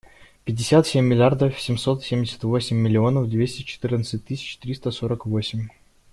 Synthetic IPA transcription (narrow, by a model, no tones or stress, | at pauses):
pʲɪdʲɪsʲat̪sʲemʲːɪlʲɪard̪əfsʲɪmso̞t̪sʲemʲdʲɪsʲə̥t̪vo̞sʲɪmʲːɪlʲɪo̞nəfd̪vʲesʲtʲɪt͡ɕɪ̥t̪ɨrnət̪sɨtʲt̪ːɨsʲɪ̥t͡ɕt̪ɾʲist̪əsoɾəkvo̞sʲɪmʲ